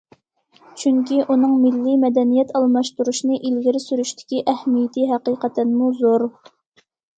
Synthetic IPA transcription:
t͡ʃʰyŋkʲiʔunɨŋmɪlːimɛd̪ɛnijɛt̪ʰɑlˠmɑʃt̪uɾuʃnɨʔilɡʲiɾɪsyɾyʃt̪ʰɪ̥kʲiʔɛhmijɪt̪ʰɪɦæqiːqɛt̪ʰɛnmuzoɾ

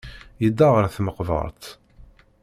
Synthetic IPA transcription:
jəd̪ːaʁəɾθməqvə̰ɾˤt̪

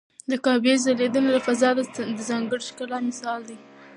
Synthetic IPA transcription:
d̪əkɑbezd̪əled̪unolafazɑd̪d̪əzɑŋɡəɽʃkalɑmɪsɑld̪i

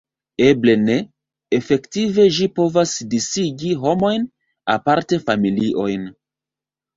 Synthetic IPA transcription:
e̞ble̞ne̞ | efe̞ktive̞ʒipo̞vasdisiɡiɦo̞mo̞jn | a̰paɾte̞familiʔo̞jn

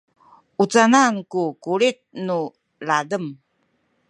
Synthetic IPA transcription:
ut͡sanankukuɭit̪̚nu | ladəm

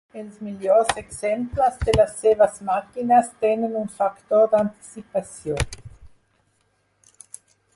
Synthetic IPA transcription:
elsmiljoɾseksemplazd̪elasːevasmakinast̪enenunfakt̪oɾd̪ant̪i̥sipasjon

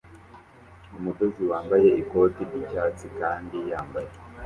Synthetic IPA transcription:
umudo̞ziwaːmbaje̞iko̞tiɾɟicaːt͡sikaːndijaːmbaje

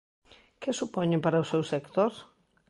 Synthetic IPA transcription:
kɪsupɔɲẽmpaɾɐsewsekt̪oɾ

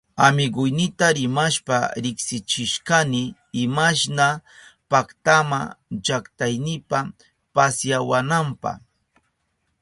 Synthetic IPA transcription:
amɪɢʊjnɪt̪aɾɪmaʃpa̰ɾɪksɪt͡ʃɪʃkanɪː | maʃnapakt̪ama̰t͡ʃakt̪ajnɪpa | pasjawanampɑ̰

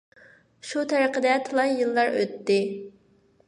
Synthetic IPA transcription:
ʃut̪ʰɛɾəqəd̪ɛt̪ʰɨlˠɑjjɨlˠːɑɾø̰t̪ːɪ

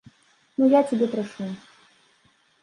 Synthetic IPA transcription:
nujat͡sʲabʲɛpɾɐʂu

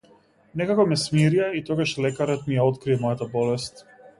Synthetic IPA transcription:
nɛkakɔmɛsmiɾijait̪ɔɡaʃlɛkaɾɔt̪mijaɔt̪kɾiɛmɔjat̪abɔlɛst̪

